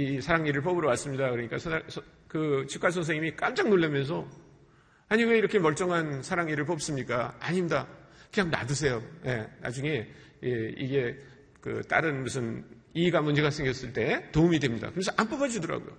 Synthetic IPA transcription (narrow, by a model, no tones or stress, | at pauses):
isʰaɾaŋɲiɾɯɭpʌbɯɾʌwas͈ɯmɲidakɯɾʌɲik͈asʰʌnasʌ | kɯt͡ɕʰikʰas̬ʰʌns̬ʰeŋimik͈amd͡ʑaŋnoɭːemjʌns̬ʰʌ | aɲiwe̞iɾʌkʰe̞mʌɭt͡ɕ͈ʌŋɦansʰaɾaŋiɾɯɭp̬ʌp̚s͈ɯmɲik͈aaɲimɲidakɯɲaŋna̰dɯs̬ʰe̞joje̞na̰d͡ʑuŋe̞ | jeḭɡe̞ | kɯ̰t͈a̰ɾɯnmusʰɯn | iːɡamund͡ʑe̞ɡasʰeŋɡjʌs͈ɯɭt͈e̞toumidwe̞mɲida̰kɯɾensʌʔamp͈ʌbad͡ʑudʌɾa̰ɡo̰jo̰